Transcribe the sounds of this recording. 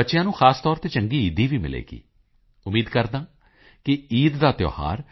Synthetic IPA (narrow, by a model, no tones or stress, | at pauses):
ətːʃɪjãːnũːxʰaːst̪ɔːɾt̪eːt͡ʃə̃ŋɡiːiːd̪iːʋiːmɪ̰lḛːɡḭː | ʊmiːd̪kəɾd̪ãː | kɪiːd̪d̪aːt̪jo̰ːha̰ːɾ